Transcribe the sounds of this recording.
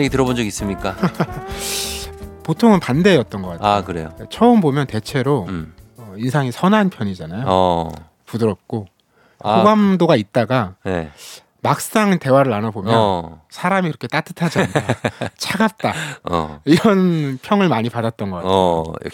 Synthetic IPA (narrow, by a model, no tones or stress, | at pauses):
eɡetɯɾʌbond͡ʑʌɡis͈ɯmɲik͈a | potʰoŋɯnpande̞jʌt̚t͈ʌnɡʌk͈atʰakɯɾḛjo̰et͡ɕʰʌɯmbomjʌnte̞t͡ɕʰe̞ɾoʌinsʰaŋisʰʌnɦanpʰjʌɲid͡ʑanajo | pudɯɾʌp̚k͈o | oɡamdoɡait̚t͈aɡanḛ | mak̚s͈aŋte̞waɾɯɾanabomjʌnsʰaɾamikɯɾʌkʰet͈atʰɯ̥tʰad͡ʑanat͡ɕʰaɡap̚t͈a̰ | iɾʌnpʰjʌŋɯɭmaɲipadat̚t͈ʌnɡʌk͈aj̰